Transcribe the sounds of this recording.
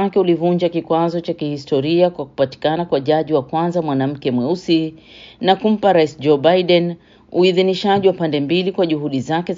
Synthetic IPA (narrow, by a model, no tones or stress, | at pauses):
akɛulivuɲd͡ʒakikwazɔt͡ʃakihistɔɾiakwaku̥pati̥kanakwaʄaʄiwakwanzamwanam̩kɛmwɛusinakum̩paɾaisd͡ʒɔbajɗɛn | uiðiniʃaʄiwapandɛmbilikwaʄuhuɗizakɛ